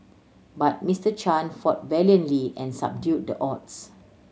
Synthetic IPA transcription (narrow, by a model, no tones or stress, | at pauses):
bat̚mistət͡ʃãnfɔt̚vɛljə̃ntliʔɛ̃nsa̰b̚djut̚dəʔɔts